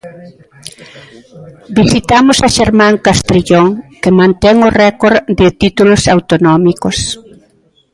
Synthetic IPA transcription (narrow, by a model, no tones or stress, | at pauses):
bisit̪amʊsaʃeɾmãŋkast̪ɾiʎoŋkɪmãnt̪ɛŋorɛkoɾðɪt̪it̪ulʊsawt̪onɔmikos